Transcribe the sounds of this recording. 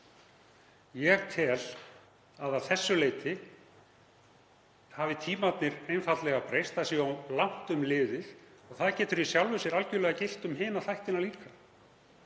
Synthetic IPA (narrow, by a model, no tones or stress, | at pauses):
jɛt̪ʰɪl | aðaθɛsːʏleːjt̪ɪ | havɪt̪ʰiːmat̪nɪɾejnfat̪lɛɣapɾejst̪asialawŋ̥t̪ʏmlɪːðɪðɔɣθaðcɛːt̪ʏɾisjawlvʏsjɛɾalcʏlɛɣacɪl̥t̪ʏmɦɪːnaθajht̪ɪnaliːka